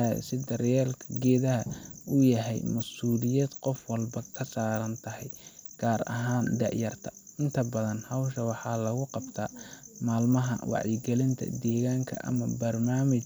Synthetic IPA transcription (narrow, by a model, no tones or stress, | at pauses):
sɪd̪ɐrjɛːlkʰɐɡɛːðɐɦɐʊjɐɦɛ̰jmɐsuːlɪjɐd̪qɔfwɑlbɐkʰɐsaːɾɐnt̪ʰɐhɛjɡ̥aːɾɐ̰ɦaːnd̪ɑ̰ʕjɐrt̪ʰɐ̥ɪnt̪ʰɐbɐðɐnhɐwʃɐwɑħɑːlɐɣʊqɑbt̪ʰaːmaːlmɐɦɐ̰wɑ̰ʕjɪɡɛlɪnt̪ʰɐ̰d̪ɛːɣaːŋkʰɐ̰ʔɐ̰mɐbɐrmaːmɪt͡ʃ